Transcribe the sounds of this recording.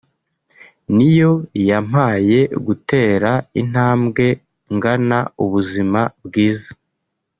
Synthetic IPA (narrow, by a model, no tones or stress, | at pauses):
nijo̞jam̥haːje̞ɡute̞ːɾaḭn̥haːmɡe̞ | ŋɡanauβuzimabɡiːzḁ